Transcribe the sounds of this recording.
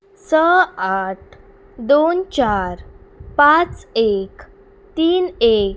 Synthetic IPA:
səaʈ̚ʰ | d̪ont͡ɕaɾpãt͡sek | t̪iːnek

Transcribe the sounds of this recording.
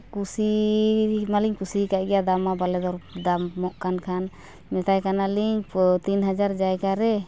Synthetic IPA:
kusi | maliɲkusikaʔɡɛjad̪amabalɛd̪ɔɾd̪amːɔʔkankʰan | mɛt̪ajkanaliɲt̪inɦad͡ʒaɾd͡ʒajɡaɾɛ

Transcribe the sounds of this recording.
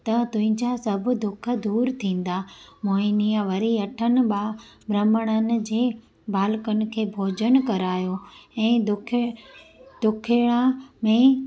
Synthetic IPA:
t̪ɐt̪ʊ̃ɦɪ̃ɲd͡ʑasɐbʱd̪ʊkʰə̆d̪uːɾt̪ʰĩːn̆d̪amoːinijaʋɐɾiɐʈʰənɪ̆ɓaːbʱɾɐməɽ̃ənɪ̆d͡ʑeː | bʱaːlkənɪ̆kʰeːbʱoːd͡ʑəɽ̃kɐɾaːjoɛ̃ːd̪ʊkʰ | d̪̥ʊkʰeɽ̃ãmẽ

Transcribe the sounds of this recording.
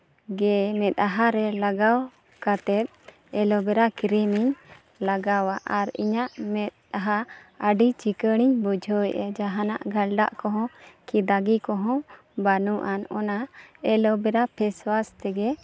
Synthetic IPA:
ɡɛmɛt̪̚ˀaɦaɾɛlaɡaw | kat̪ɛt̪̚ | ɛlɔbɛɾakiɾimiɲ | laɡawaʔaɾḭɲaʔmɛt̪̚aɦaəɖit͡ʃikəɽ̃iɲbɔd͡ʒʱɔjʔɛ̰d͡ʒaɦana̰ʔɡʱalɖa̰ʔkɔɦɔ̃kid̪aɡikɔɦɔ̃ | banuʔanɔnaɛlɔbɛɾapʰɛswast̪ɛɡɛ

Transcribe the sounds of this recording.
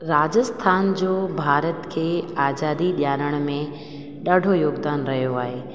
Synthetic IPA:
ɾaːd͡ʑəst̪ʰaːnd͡ʑoːbʱaːɾət̪kʰeːaːzaːd̪iɗjaːɾəɽ̃mẽ | ɗaːɖʱojoːɡd̪aːnɾɐɦijoaːɦeː

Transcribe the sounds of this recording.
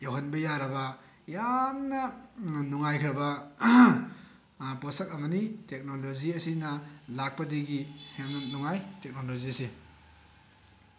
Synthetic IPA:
joɦɐnbɐjaɾɐbɐ | jannɐnuŋajkʰɾɐbɐ | posɐk̚ɐmɐnitek̚nolod͡ʒiɐsinɐlak̚pɐdiɡiheŋnɐnuŋajtek̚noloziɐsi

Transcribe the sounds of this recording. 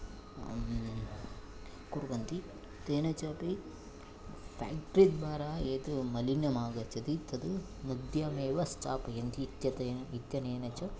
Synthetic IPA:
kuɾuʋɐnt̪i | t̪eːnɐt͡ʃɐpe | pʰa̰ːk̚ʈɾid̪ʋaːɾaːeːt̪umɐlinjɐmaːɡɐt͡ʃːɐd̪it̪ɐd̪u | nud̪jɐmeːʋɐsʈaːpɐjɐnt̪iːt̪jɐt̪ɐit̪jɐneːnɐt͡ʃɐ

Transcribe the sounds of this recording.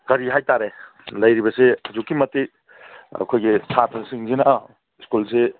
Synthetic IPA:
kɐɾiɦajtaɾe | lɐjɾibɐseɐzukːimɐtik̚ | ɐ̰kʰojɡesʰatʰɐsiŋzina | skulse

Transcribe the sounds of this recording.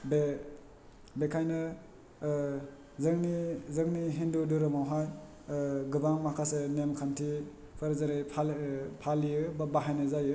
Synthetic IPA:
be | bekʰajnɯ | zɯŋnizɯŋniɦinduduɾɯmawɦaj | ɡɯbaŋmakʰasenemkʰantʰi | pʰɯɾzaɾepʰapʰalijɯbabaɦajnɯzajɯ

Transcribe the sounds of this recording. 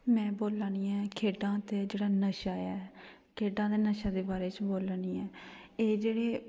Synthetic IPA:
mɛ̃ːboːlaːniːɛːkʰeːɖãːt̪eːd͡ʒeːɽaːnəʃaːɛː | kʰeːɖãːt̪eːnəʃaːd̪eːbaːɾeːt͡ʃboːlaːɽiːɛːeːd͡ʒeːɽeː

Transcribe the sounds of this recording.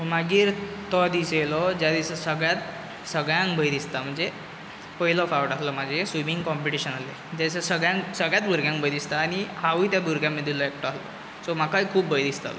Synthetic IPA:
maɡiːɾt̪ɔd̪iselɔd͡ʑjad̪isəsəɡɭjat̪ | səɡɭjãŋkbəjd̪ist̪am̤əɳd͡ze | pəɦilɔfawʈaslɔmad͡ʑesʋimiŋɡkɔmpiʈiɕənale | t̪ad̪isasəɡɭjãŋksəɡɭjat̪buɾɡjãŋk̚bʱəjd̪ist̪aːñihaʋiːt̪jabuɾɡjaməd̪ʱːilɔek̚ʈaslɔ̰ | sɔmakaikʰuːpbəjd̪ist̪a̰l̰

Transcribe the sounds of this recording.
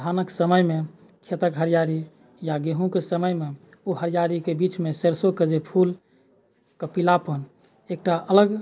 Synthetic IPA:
d̪ʱanəksəməjme | kʰet̪əkɦəɾijaɾi | jaɡeɦũkesəməjme | oɦəɾijaɾikebit͡ʃmeseɾsoked͡ʒepʰul | kəpilapən | ek̚ʈaələɡ

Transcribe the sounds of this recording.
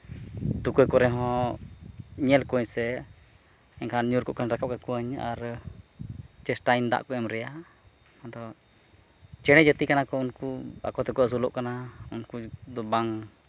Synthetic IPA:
t̪ukukɔɾɛɦɔ̃ | ɲɛlkuɲsɛ | ɛŋkʰaɲuɾkuʔkanɾakap̚kakuəɲa̰ɾ | t͡ʃɛsʈaind̪a̰ʔkɔɛmɾɛja | hd̪ɔ | t͡ʃɛɽ̃ɛd͡ʒət̪ikanakɔunkua̰kɔt̪ɛkuʔas̬ulɔ̰ʔkanaunkud̪ɔbaŋ

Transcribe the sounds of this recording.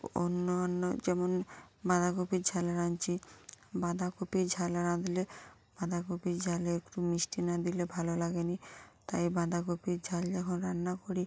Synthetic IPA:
o̰nːonːo̰d͡ʒɛmonbãd̪akopiɾd͡ʑʱaleɾant͡ʃibãd̪ʱakopiɾd͡ʑʱalɾãd̪ile | b̥ãd̪ʱakopiɾd͡ʑʱaleekʈumisʈinad̪ilebʱalolaɡenit̪ajbãd̪ʱakopiɾd͡ʑʱald͡ʒɛkʰonɾanːakoɾi

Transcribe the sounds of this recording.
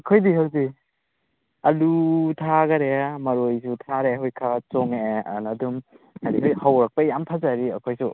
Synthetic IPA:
ɐkʰojdiɦawzi | ɐlutʰaɡɐɾemɐɾojsutʰaɾeɦojkʰat͡ʃɔŋenɐdum | adiɦojhawɾɐk̚pɐjampʰazaɾiɐ̰kʰojsu

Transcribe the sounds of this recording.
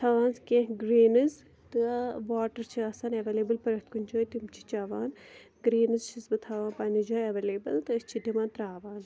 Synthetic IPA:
t̪ʰaːʋaːnskʲẽɦɡɾeːnɨz | t̪ɨʋaːʈɐɾt͡ʃʰiaːsaːnɐʋeleːbɨlpɐɾɐt̪kunʲd͡ʒoːit̪imt͡ʃʰi̥t͡ʃaːʋaːn | ɡɾeːnɨzt͡ʃʰisbɨt̪ʰaːʋaːnpaːnid͡ʒoːjɐʋeːleːbɐlt̪ɨːst͡ʃʰidimaːnt̪ɾaːʋaːn

